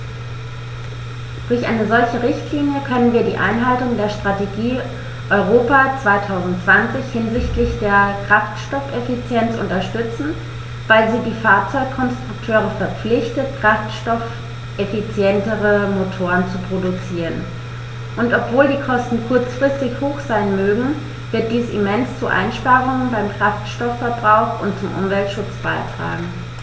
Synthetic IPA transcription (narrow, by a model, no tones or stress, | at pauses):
d̥ʊɐçʔa̰ɪnəzɔlçəʁɪçtʰliːnjəkʰœnənviːɐdiːʔa̰ɪnɦaltʊŋdeːɐʃtʁ̥ateɡiː | ʔɔʏʁ̞oːpat͡sv̥aɪtʰaʊzn̩tt͡sv̥ant͡sɪçhɪnzɪçtlɪçd̥eːɐkʁ̥aftʃtɔfʔefit͡sjɛnt͡sʔʊ̰ntɐʃtʏt͡sn̩ | vaɪlziːdiːfaɐt͡sɔʏkkʰːɔnstʁ̥ʊktʰøːʁ̞əfɛɐp͡flɪçtət̚kʁ̥aftʃtɔf | ʔefit͡sjɛntəʁəmotʰoːʁənt͡supʁ̥odut͡siːʁən | ʔʊntʔɔpv̥oːldiːkʰɔstn̩kʰʊɐt͡sfʁ̥ɪstɪçhoːxz̥aɪnmøːɡŋ̩ | vɪɐt̚d̥iːsimɛnst͡suʔa̰ɪnʃpaːʁʊŋənbaɪmkʁ̥aftʃtɔfːɛɐbʁaʊxʊntt͡sʊmʔʊ̰mvɛltʃʊt͡sb̥aɪtʁ̥a̰ːɡŋ̩